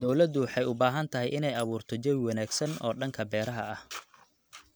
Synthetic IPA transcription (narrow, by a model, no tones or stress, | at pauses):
d̪ɔwlɐd̪ʊwħɑjʊbaːɦɐnt̪ʰɐɦɛjʔɪnɛjɐβuːrt̪ʰɔt͡ʃɛwwɑnaːɡsɐnɔːɖɐŋkʰɐbɛːɾɐɦɐɐh